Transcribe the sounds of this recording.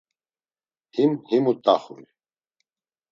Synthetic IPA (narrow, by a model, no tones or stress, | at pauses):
himhimut̪ʼaχṵl